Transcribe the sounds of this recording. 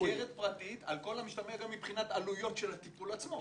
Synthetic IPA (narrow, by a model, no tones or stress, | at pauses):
jeʁet̪̚pʁat̪it̪alko̞lamiʃt̪ameɡamːipχinat̪alujo̞t̪ʃelat̪ipulat͡smo̞